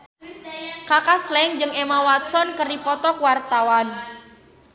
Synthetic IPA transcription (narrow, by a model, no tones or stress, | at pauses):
kakaslɛŋd͡ʒɨŋemawat̪̚sɔnkərdipɔt̪ɔkwart̪awan